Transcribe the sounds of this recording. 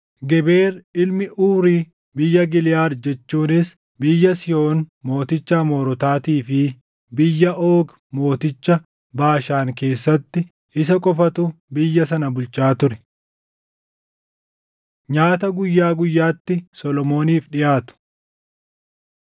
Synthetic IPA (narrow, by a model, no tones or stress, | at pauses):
ɡɛbe̞ːɾɪlmɪʔuːɾiː | bɪjːɐɡɪlɪjaːɾd͡ʒɛt͡ʃːuːnɪs | bɪjːɐsɪjo̞ːnmo̞ːt̪ɪt͡ʃːamo̞ːɾɔt̪aːt̪iːfɪ | bɪjːɐʔoːɡ | mo̞ːt̪ɪt͡ʃːɐ | baːʃaːŋke̞ːsːɐt̪ːɪ | ɪsɐkʼɔfɐt̪ʊbɪjːɐsɐnɐbʊlt͡ʃaːt̪ʊɾɛ̥ | ɲaːt̪ɐɡʊjːaːɡʊjːaːt̪ːɪsɔlɔmo̞ːniːfᶑɪjaːt̪ʊ̥